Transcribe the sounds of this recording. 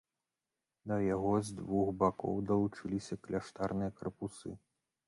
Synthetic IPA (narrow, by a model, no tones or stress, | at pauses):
d̪ɐjaɣɔzd̪vuxbakɔ̰wd̪ɐlˠut͡ʂɨlʲisʲɐklʲaʂt̪arnɨjɐkɐrpusɨ